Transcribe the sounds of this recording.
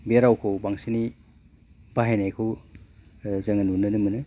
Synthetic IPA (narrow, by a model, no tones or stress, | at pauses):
beɾawkʰowbaŋsini | baɦenajkʰɯw | zɐŋɐnunːɯnɯmɯnɯ